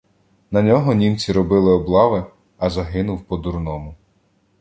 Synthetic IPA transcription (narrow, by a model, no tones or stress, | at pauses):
nɐnʲɔɦɔnʲimt͡sʲiɾɔbɪlˠɪɔblˠɑʋɪ | ɐzɐɦɪnʊwpɔd̪urnɔmʊ